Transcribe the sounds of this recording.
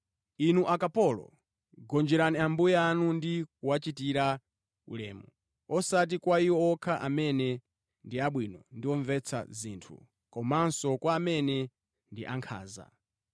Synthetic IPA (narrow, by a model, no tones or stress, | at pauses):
inuʔakapɔlɔ̰ | ɡɔnd͡ʒɛɾaniambujɛanundikuwat͡ʃitiɾa | ṵlɛ̰ːmṵ | ɔsat̬ikwaiwɔɔkʰaʔamɛnɛ | ndiaɓwinɔndiɔɱvɛt͡sʰa̰zḭːntʰṵ | kɔmaansɔkwaːmɛnɛ | ndiʔaŋkʰa̰ːza̰